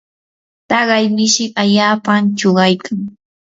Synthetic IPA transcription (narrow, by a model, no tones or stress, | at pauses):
t̪ɑɢɑjmɪʃɪaʎaːpamt͡ʃoɢɑjkʰaŋ